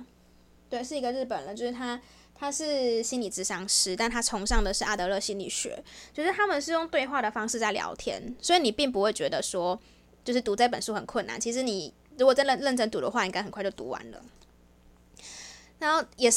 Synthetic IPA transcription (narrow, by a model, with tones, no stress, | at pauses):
t̪we˥˩ɪʂɻ̩˥˩i˧˥ɡə˧ɻ̩˥˩pə˨˩nlə˩t͡ɕjo˥˧ʊʂɻ̩ʰ˥˩a˥ | t̪ʰa˥ʂɻ̩˥˧ɕi˥nli˨˩t͡sɹ̩˥˩ʂɑ˧˥ŋʂɻ̩˧˥t̪a˥˩nt̪ʰa˥t͡sʰʊ˧˥ŋʂɑ˥˩ŋd̪ə˩ʂɻ̩˥˧ʔa˥˩t̪ɤ˧˦lɤ˥˩ɕi˥nlḭ˨˩ɕɥɛ̰˨˩˦t͡ɕjo˥˧ʊʂɻ̩˥˩t̪ʰa˥mə˨nʂ̬ɻ̩˥˧jo˥˧ŋt̪we˥˧ɪxwa˥˩ɾə˩fɑ˥ŋʂɻ̩˥˧t͡sa˥˩ɪljɑ̰˧˥ʊt̪ʰjɛ̰˥nswɔ˧˥i˨ni˨˩pi˥˩ŋp̬u˧˥xwe˥˩ɪt͡ɕɥɛ˧˥d̪ə˨swɔ˥ | t͡ɕjo˥˧ʊʂɻ̩˥˩t̪u˧˥t͡sa˥˩ɪpə˨˩nʂu˥xə˨˩nkʰwə˥˩na̰˨˩nt͡ɕʰi˧˥ʂɻ̩˧˥ni˨˩ | ɻu˧˥kwɔ˨˩t͡sa˥˧lə˥˧nlə˥˩nʈ͡ʂə˥nt̪u˧˥d̪ə̰˨xwa˥˩i˥˩ŋka˥xə˨˩nkwt͡ɕo˥˩ʊt̪ṵ˧˥wa̰˧˦nlə̰˧˦ | na˧˦nxo˥˩ʊjɛ˨˩ʂ